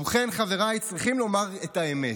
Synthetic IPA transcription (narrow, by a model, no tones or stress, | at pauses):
uχenχave̞ʁajt͡sʁiχimlo̞maʁetaeme